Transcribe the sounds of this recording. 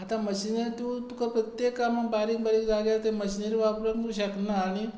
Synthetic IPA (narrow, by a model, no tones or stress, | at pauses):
at̪amɐɕinet̪ut̪ukapɾɐt̪jekːamanbaːɾiŋbaɾikdaɡjat̪emɐɕineɾiʋapɾɐnt̪uɕaknaːɽ̃i